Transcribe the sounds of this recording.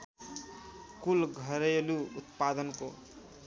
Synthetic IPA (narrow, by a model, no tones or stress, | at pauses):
kulɡʱʌɾeluut̪pad̪ʌnko